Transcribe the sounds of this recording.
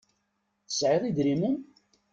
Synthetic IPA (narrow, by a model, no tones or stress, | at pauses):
əsʕiðˤid̪ɾimun